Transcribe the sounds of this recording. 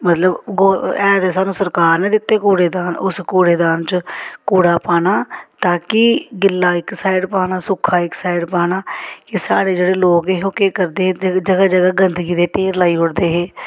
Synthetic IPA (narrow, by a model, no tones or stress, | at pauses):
mət̪ləbɡoɛːd̪esaːnũːsəɾkaːɾnẽːd̪ɪt̪ːeːkuːɽeːd̪aːnʊskoːɽeːd̪aːnt͡ʃəkuːɽaːpaːnaːt̪aːkɪɡɪlːaːɪksaːɪɖpaːnaːsʊkʰaːɪksaːɪɖpaːnaːkɪsaːɽeːd͡ʒeːɽeːloːkeɦõːkekəɾd̪eːd͡ʒəɡaːd͡ʒəɡaːɡənd̪əɡiːd̪eːʈeːɾlaːiːɦʊɽd̪eːɦeː